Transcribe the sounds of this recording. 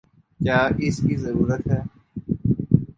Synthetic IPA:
kjaːʔɪskiːzəɾuːɾət̪ɦɛː

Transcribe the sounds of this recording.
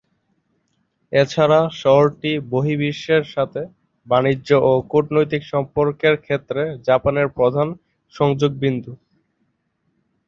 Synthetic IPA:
et͡ɕʰaɾaʃɔɦoɾʈiboɦibiʃːeɾʃat̪ʰe | banioʔokuʈnojt̪ikʃɔmpoɾkeɾkʰet̪ːɾed͡ʑapaneɾpɾod̪ʱan | ʃɔŋd͡ʑoɡ̚bind̪ʱu

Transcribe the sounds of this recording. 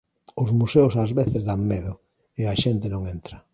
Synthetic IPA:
ʊzmuseʊsazβeθezðaŋmeðʊ | eaʃent̪ɪnõŋent̪ɾɐ

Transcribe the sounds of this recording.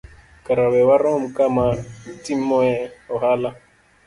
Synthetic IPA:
kaɾaβɛwaɾɔm̩kamatimɔɛɔɦala

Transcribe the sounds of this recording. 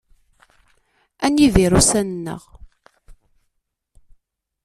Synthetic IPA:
ænjiviɾusænənːə̰ʁ

